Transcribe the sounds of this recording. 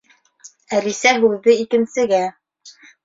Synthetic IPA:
æɾisæɦʉðːɘikɘ̆nsɘ̆ɡæ

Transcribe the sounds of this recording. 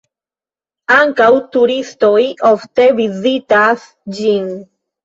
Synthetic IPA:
aŋkawt̪uɾist̪ojʔoft̪evizit̪as | d͡ʒiŋ

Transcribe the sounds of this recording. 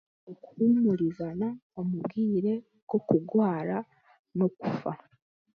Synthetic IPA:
ukumuɾizanaomubɡiːɾe̞ | ɡ̥o̞kuɡwaːɾa | no̞kufa

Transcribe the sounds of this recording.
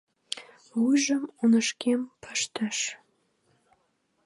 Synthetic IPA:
wujʒəmunə̆ʃkempʰə̥ʃt̪ə̆ʃ

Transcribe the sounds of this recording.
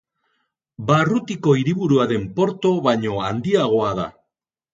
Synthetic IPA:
barut̪iko̞iɾiβuɾuaðe̞mpo̞ɾt̪o̞βajɲo̞and̪iaɣ̞o̞aða̰

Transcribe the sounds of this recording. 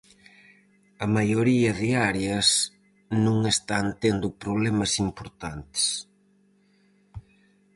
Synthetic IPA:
ɐmajoɾiɐðeaɾeɐs | nũŋest̪ant̪end̪ʊpɾoβlɛmɐsimpoɾt̪ant̪e̥s

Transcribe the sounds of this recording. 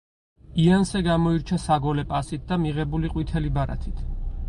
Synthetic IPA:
iansɛɡamɔiɾt͡ʃʰasaɡɔlɛpʼasit̪̚d̪amiʁɛbuliqʼwit̪ʰɛlibaɾa̰t̪ʰit̪ʰ

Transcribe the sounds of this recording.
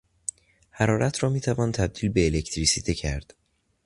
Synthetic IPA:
hæɾɒːɾæt̪ʰɾɒːmiːt̪ʰævɒːnt̪ʰæb̚d̪̥iːlbe̞ːlecʰt̪ʰɾisiːt̪ʰecʰæɾd̪̥

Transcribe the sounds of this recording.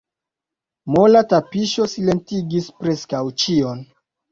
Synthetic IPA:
mo̞latapiʃo̞sile̞ntiɡispɾe̞skawt͡ʃio̞n

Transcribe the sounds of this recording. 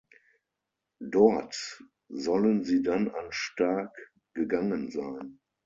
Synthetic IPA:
dɔɐt | zɔlənziːdananʃtaɐk | ɡ̥əɡaŋənzaɪn

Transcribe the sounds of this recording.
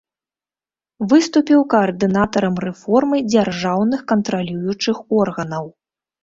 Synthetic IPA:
vɨst̪upʲiwkɐɐrd̪ɨnat̪ɐɾɐmrɛfɔrmɨd͡zʲarʐawnɨxkɐnt̪ɾalʲujut͡ʂɨxɔrɣɐnɐw

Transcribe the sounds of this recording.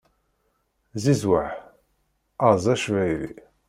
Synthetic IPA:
zizwaħ | ɑzˤæʃvæjɾḭ

